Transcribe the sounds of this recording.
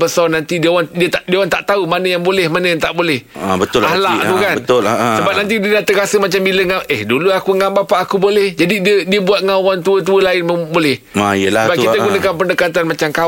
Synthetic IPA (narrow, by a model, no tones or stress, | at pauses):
bəsɔnant̪idiawadiət̪adiawant̪a̰ʔt̪aumanə̃jaŋbolɛhmanə̃jaŋt̪aʔbolɛhbət̪ʊlahlaʔt̪ukanbənʊlsəbap̚nãnt̪̬ididat̪əkasəmat͡ʃambiləŋaəhduluakuŋambapaʔːkubolɛhd͡ʒadidiədiəbuat̪̚ŋawant̪̬uət̪̬uəlaɪnməbolɛh | ajəlahbakit̪aɡunəkanpəndəkat̪anmat͡ʃamka